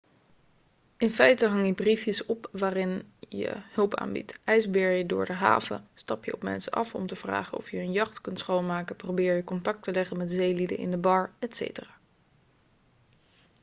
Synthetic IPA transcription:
ɪnfɛjtəɦɑŋjəbrifjəsɔpʋaːrɪnjə̰hɵlˠpa̰ːnbḭtɛjzbɪːɹjədʊːɹdəɦa̰ːvə̰stɑpjəɔpmɛ̰nsəʔɑfɔ̰mtəv̥ra̰ːχənɔ̰fjəːnjɑχtkɵntsχownmaːkəprowbɪːɹjəkɔntɑk̚təlɛχənmɛtzejlidə̰nʔɪ̰ndəbɑɹɛtsḛjtəraː

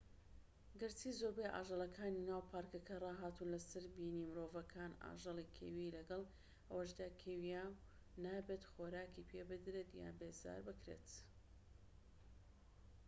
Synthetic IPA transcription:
ɡɨɾtʰiːzoɾbejʔa̰ːʒəlˠɐkʰaːninaːwpʰaːɾkɐkʰɐrˤɑːɦaːt̪unlɐsɐɾbiːniːmɨɾovɐkʰaːna̰ːʒɐlˠikʰḛwilɐɡɐlˠ | ʔɐwɐʃd̪aːkʰewija | naːbet̪xoːɾaːkipʰeːbɨd̪ɾet̪ja̰ːbeːza̰ːɾbɨkɾḛt̪

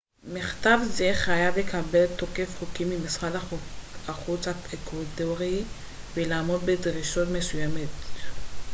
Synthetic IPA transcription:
miχtavzeχajavle̞kabe̞ltokefχokimimisχad | aχut͡saekadoʁi | velaːmo̞dbedʁiʃotmesujamet

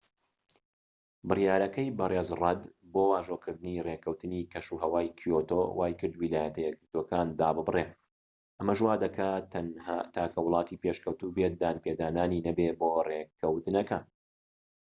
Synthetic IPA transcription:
bɨrjaːɾɐkɐjbɐrezrˤɐd̪boːwaːʒoːkʰɨɾd̪ɨnirekʰɐwt̪ɨnikʰɐʃuɦɐwaːjkʰijot̪o̰wʔaːjkɨɾd̪wiːlaːjɐt̪ɐjɛɡɨɾt̪okaːnd̪aːbɨbre | ʔɐmɐʒwaːd̪ɐkʰa | t̪ʰaːkʰɐwʊlˠɑːt̪iːpeʃkɐwt̪ubet̪̚d̪aːnped̪aːnaːninɐbeboːrekʰɐwt̪ɨnɐka̰ːn

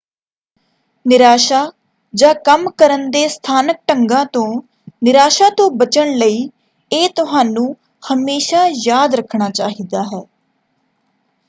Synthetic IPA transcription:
nɪɾaːʃaː | d͡ʒãːkəmkəɾənd̪eːst̪ʰaːnək̚ʈəŋɡãːt̪õː | nɪɾaːʃaːt̪õːbət͡ʃəɳləiː | eːt̪ʊɦaːnũː | həmeːʃaːjaːd̪ɾəkʰɳaːt͡ʃaːɦiːd̪aːɦɛː

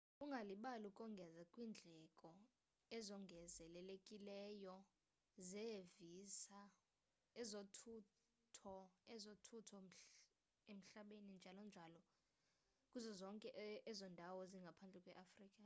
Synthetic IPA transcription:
uŋɡʱaliɓalukʼɔŋɡʱɛzakʼwiːnd͡ɮʱɛkʼɔ | ɛzɔŋɡʱɛzɛlɛlekʼilɛjɔ | zɛvisa | ɛzotʰu | tʰɔɛzotʰutʰɔ | em̩ɬaɓenind͡ʒʱalɔnd͡ʒʱalɔ | kʼuzɔzɔŋkʼɛʔɛzɔndʱawɔziŋɡʱapʰand͡ɮʱɛkʼwɛʔafriːkʼa

